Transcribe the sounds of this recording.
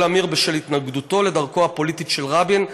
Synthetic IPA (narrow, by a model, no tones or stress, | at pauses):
lamiʁbeʃelhit̪naɡd̪ut̪o̞led̪aʁkoapo̞lit̪iʃelʁabin